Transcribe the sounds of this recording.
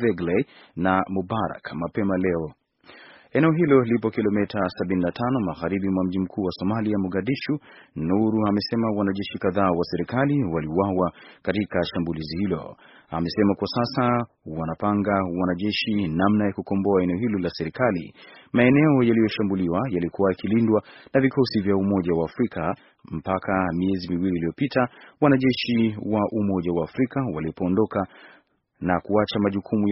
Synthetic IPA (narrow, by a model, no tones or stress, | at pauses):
vɛɡle | namubaɾa̰kmapɛmalɛɔ | ɛnɛɔɦilɔlipɔkilɔmɛtʰasaɓininatʰanɔmaɣaɾiɓimwam̩ʄim̩kʰuːwasɔmaliamuɠaɗiʃunuɾuamɛsɛmawanaʄɛʃikaðaːwasɛɾikaliwaliwawakatikaʃambulizihilɔ̰ | amɛsɛmakwasasa | wanapaŋɡawanaʄɛʃinamnajakukɔmbɔaɛnɛɔɦilɔlasɛɾikalḭmaɛnɛɔjalijɔʃambuliwajalikuwajakilindwanavikʰɔsivjaumɔʄawaːfɾikʰa | m̩pakamiɛzimiwililijɔpitawanaʄɛʃiwaʔumɔʄawaːfɾikawaliɔpɔːndɔka | nakuat͡ʃamaʄukʰumu